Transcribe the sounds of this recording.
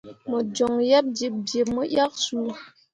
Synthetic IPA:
mɔ˨d͡ʒɔ˨ŋjɛ˦p̚d͡ʒe˨p̚d͡ʒje˨p̚mɔ˦ʔja˦k̚su˦

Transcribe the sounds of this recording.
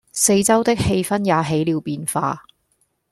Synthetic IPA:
se˧jt͡sɐ˥wt̪ɪ˥k̚he˧jfɐ˥njaː˨˧ɦe˨˥jliː˨˧wpiː˧nfa̰ː˧

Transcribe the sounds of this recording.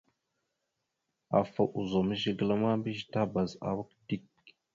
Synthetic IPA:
a̰˨fa˨ʔu˨zo˨mə˦ʒi˦ɡə˨la˦ma˦bi˦ʒi˨ta˦ba˨za̰˨wa˦kdi˦k̚

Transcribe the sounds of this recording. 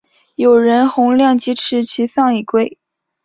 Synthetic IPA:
jo˨˩ʊɻə˧˥nxʊ˧˥ŋljɑ˥˩ŋt͡ɕi˥ʈ͡ʂʰɻ̩˧˥t͡ɕʰi˧˥sɑ˥˧ŋi˨˩kwe˥˩ɪ

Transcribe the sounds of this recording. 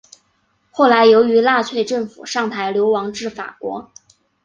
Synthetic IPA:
xo˥˩ʊla˧˥ɪjo˧˥ʊy˧˥la˥˧t͡sʰwe˥˧ɪʈ͡ʂɤ˥˩ŋfṵ˨˩ʂɑ˥˩ŋt̪ʰa˧˥ɪljo˧˥ʊwɑ˧˥ŋʈ͡ʂɻ̩˥˩fa̰˨˩kwɔ̰˧˥

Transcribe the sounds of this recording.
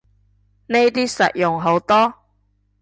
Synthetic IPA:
ne˥jt̪iː˥sɐ̰˨t̚jʊ˨ŋɦo˨˥wt̪ɔː˥

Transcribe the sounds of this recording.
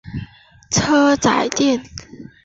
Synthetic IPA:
t͡sʰɤ˥t͡sa̰˨˧˩ɪt̪jɛ˥˩n

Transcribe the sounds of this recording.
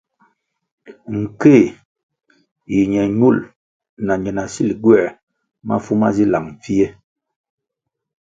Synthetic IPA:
ŋ̩˨ke˦˨ | ji˨ɲɛ˨ɲu˦˨l | na˨ɲɛ˨na˨si˦lɡwɛ˦˨ | ma̰˦fu˦ma̰˦zi˦la̰˨ŋ˨fi˦e˦

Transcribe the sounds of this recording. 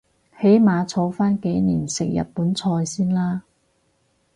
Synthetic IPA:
he˨˥jmaː˨˧t͡sʰo˨˧˥wfaː˥nke˨˧˥jniː˨˩nsɪ˨k̚jɐ̰˨t̚puː˨˥nt͡sʰɔː˧jsiː˥nlaː˥

